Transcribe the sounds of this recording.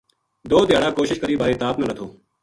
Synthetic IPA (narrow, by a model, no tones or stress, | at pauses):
d̪oːd̪ɪjaːɽaːkoːʃɪʃkəɾiːbaːɾeːt̪aːpnãlət̪ʰoː